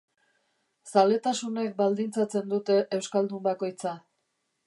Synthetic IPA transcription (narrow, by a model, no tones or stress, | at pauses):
sale̞t̪asune̞k̚bald̪int͡sat͡se̞nd̪ut̪e̞ʔːwskald̪umbako̞jt͡sa